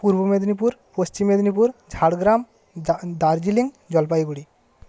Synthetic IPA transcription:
puɾbɔmed̪nipuɾpost͡ʃimːed̪nipuɾd͡ʒʱaɽɡɾam | d̪aɾd͡ʒiliŋ | d͡ʒɔlpajɡuɽi

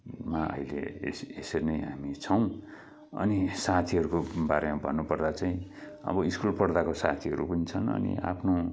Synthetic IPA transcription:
maʌ̰ilḛḛseseɾnʌjɦamit͡sʰʌw̃ | ʌ̰nisat̪ʰiɦʌɾukobaɾemabʱʌnːupʌrd̪at͡saĩ | ʌ̰bʌiskulpʌrd̪akosa̰t̪ʰiʌɾupʌnit͡sʰʌnʌ̰nḭa̰pʰno

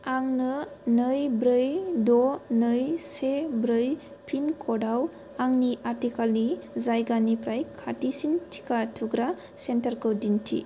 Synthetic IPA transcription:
aŋnɯnɯjbɾɯjdɔnɯjsebɾɯj | pʰinkʰɔdaw | aŋniʔaɾtikalnizajɡanipɾajkʰatisintʰi̥kʰatʰuɡɾa | sentaɾkɯwdintʰḭ

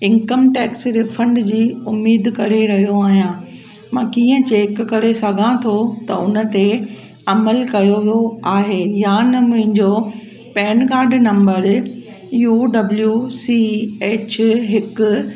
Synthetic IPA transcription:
ɪ̃nkəmʈɛːksɾɪfɐ̃ɳɖd͡ʑiːʊmːiːd̪ʱkɐɾeɾɐɦijoaːɦijãː | mãːkiːə̃t͡ɕeːkːɐɾesɐɡʱãt̪ʰot̪ɐʊnə̆t̪e | ɐməlkɐjoʋjoaːɦeːjãːnɐmʊ̃ɦɪ̃ɲd͡ʑoː | pɛːnkaːɾɖnɐ̃mbəɾ | jjuːɖɐbljusiːeːt͡ɕɦɪkʊ

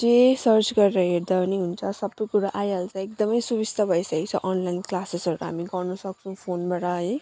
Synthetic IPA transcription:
d͡zesʌɾt͡ʃɡʌɾeɾʌɦeɾd̪aniɦunt͡sʰʌsʌbʌjkuɾaʔajalt͡sãek̚d̪ʌmʌjsubist̪ʌbʱʌjsʌkit͡sʰʌ̰ʔɔnlajnklasesʌɾuɦa̰miɡʌɾnusʌk̚t͡sʰʌ̃w̃pʰonbaʈʌi

